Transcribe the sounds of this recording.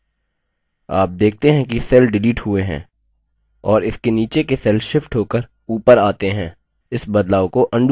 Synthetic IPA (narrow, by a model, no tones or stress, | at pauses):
a̰ːp̚d̪eːk̚t̪eɦɛ̃kisɛlɖɪliːʈɦʊeɦɛ̰̃ː | ɔːɾɪskeniːt͡ʃekesɛlʃɪfʈɦoːkəɾ | uːpəɾaːt̪eɦɛ̃ː | ɪsbɐd̪laːokoʔɐ̃ɳɖ